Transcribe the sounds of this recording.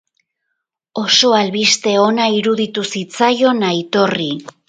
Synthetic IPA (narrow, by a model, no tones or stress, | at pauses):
o̞so̞alβist̪e̞o̞naiɾuðit̪usit͡sajo̞najt̪o̞ri